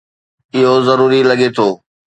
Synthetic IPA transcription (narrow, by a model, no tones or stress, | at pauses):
ɪɦozɐɾuːɾilɐɠet̪ʰoː